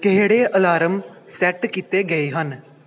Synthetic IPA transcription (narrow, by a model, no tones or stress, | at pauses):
kɪɦeːɽeːʔəlaːɾəmsɛʈkit̪eːɡəiːɦən